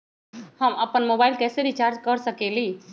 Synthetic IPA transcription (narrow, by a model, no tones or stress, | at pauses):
həməpənmobailkɛːseɾit͡ʃaɾd͡ʒkəɾsəkeli